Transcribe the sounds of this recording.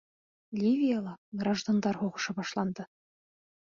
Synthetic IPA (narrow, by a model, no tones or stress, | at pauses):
lʲivʲijɑlˠɑɡrɑʒd̪ond̪ɑrxoʁɤ̥̆ʃɤ̆bɑʃlˠɑnd̪ɤ̆